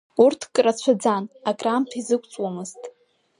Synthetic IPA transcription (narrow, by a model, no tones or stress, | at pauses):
urtʰkʼrat͡ɕʷʰad͡zanakʼramtʰizɨkʷʰʼt͡sʼwamɨztʼ